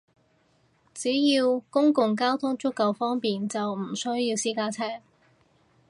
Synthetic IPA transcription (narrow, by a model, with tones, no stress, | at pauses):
t͡siː˨˥jiː˧wkʊ˥ŋkʊ˨ŋk̬aː˥wt̪ʰʊ˥ŋt͡ʃʊ˥kːɐ˨wfɔː˥ŋpiː˨nt͡sɐ˨wm̩˨˩sɵ˥ɥjiː˧wsiː˥kaː˥t͡sʰɛː˥˩ŋ